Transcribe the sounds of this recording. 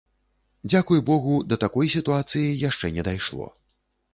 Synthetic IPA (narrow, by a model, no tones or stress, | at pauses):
d͡zʲakujubɔɣud̪ɐt̪akɔjsʲit̪uat̪sɨjijaʂt͡ʂɛnʲɛd̪ajʂlˠɔ̰